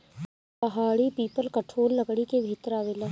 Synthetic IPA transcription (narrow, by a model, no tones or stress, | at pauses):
pɐɦaːɽipiːpəlkɐʈʰoːlːɐɡɽikebʱɪt̪əɾaːʋelaː